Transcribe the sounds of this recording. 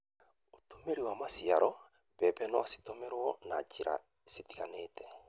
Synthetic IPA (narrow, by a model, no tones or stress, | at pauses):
otomeɾiwamasiaɾʔɔ | βɛβɛnɔasi̥tomɛɾwɔnat͡ʃiɾa̰ | sitiɣanetɛ